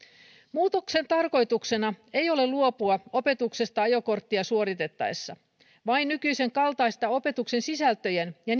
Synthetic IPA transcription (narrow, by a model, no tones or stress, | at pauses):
muːt̪o̞kse̞nt̪ɑrko̞jt̪ukse̞nɑejo̞le̞luopuɑo̞pe̞t̪ukse̞st̪ɑɑjo̞ko̞rt̪ːiɑsuoɾit̪e̞t̪ːɑ̰esːɑ | ʋɑinːykyise̞ŋkɑlt̪ɑijst̪ɑo̞pe̞t̪ukse̞nsisælt̪ø̞jenjɑ